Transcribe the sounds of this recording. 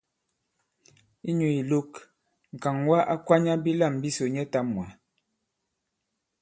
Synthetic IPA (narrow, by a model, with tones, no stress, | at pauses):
i˦ɲu˨i˨lo˦k | ŋ̩˨ka˨ŋwa˦ʔa˦kwa˦ɲa˦bi˦la˦˨m˨bi˦so˨ɲɛ˦ta˦mwa˨